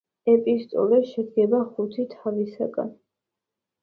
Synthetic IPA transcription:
ɛpʼist̪ʼɔ̰lɛʃɛd̪ɡɛbaχut̪ʰit̪ʰavisaɡa̰n

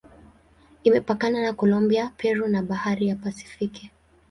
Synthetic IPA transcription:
imɛpakananakɔlɔmbiapʰɛɾunaɓahaɾijapasi̥fiki

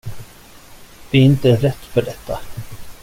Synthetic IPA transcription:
d̪̥ɛɾɪnt̪əɾɛt̪ːfœɖɛt̪ʰːa

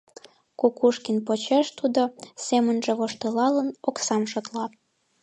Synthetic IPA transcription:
kokuʃkinpot͡ɕeʃt̪ud̪osemənʒĕβoʃt̪elɑlənoksɑmʃot̪lɑ

